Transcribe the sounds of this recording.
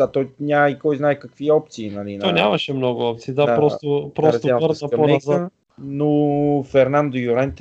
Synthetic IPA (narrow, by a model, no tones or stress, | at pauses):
at̪ɔjnʲamikɔjznaɛkɐkviɔp̚t̪siːnɐlinɔnʲamɐʃɛmnɔɡʊɔp̚t̪siːd̪aɾɔst̪opɾɔsɾt̪oəɾɐkɐonɐza | nofɛɾnand̪ojʊɾɛnt̪